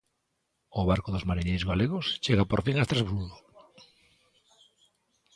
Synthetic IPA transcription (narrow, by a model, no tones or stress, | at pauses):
oβaɾkoðozmaɾiɲejzɣaleɣost͡ʃeɣapoɾfiŋast̪ɾazβuðol